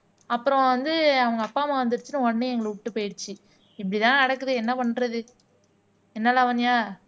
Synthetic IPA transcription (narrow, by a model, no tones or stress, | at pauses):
ɐpːɯɾɔ̃ʋɐnd̪ɯɐʋɐŋɡɐːpːaːmãʋɐnd̪ɯɾɯt͡ʃːɯnːɯɔɽɐneɛŋɡɐɭʊʈːɯpoːjɪɽɯt͡ʃːɯ | ɪp̬ːɐɽit̪ãːnɐɽɐkːɯðɯɛnːɐpɐɳːɾɐðɯ | ɛnːɐlaːʋɐnːɪjaː